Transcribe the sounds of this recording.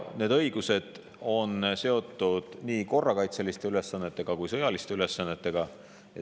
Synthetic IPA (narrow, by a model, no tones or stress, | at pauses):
ne̞ːd̪ɤjɡuse̞d̪̥ | o̞nse̞o̞t̪ːˑud̪̥niːko̞rːɑkɑjt̪se̞list̪e̞yle̞sːɑnːe̞t̪ːˑe̞ɡ̥ɑkujsɤ̞jɑlist̪eyle̞sːɑnːe̞t̪ːe̞ɡ̥ɑ | jɑ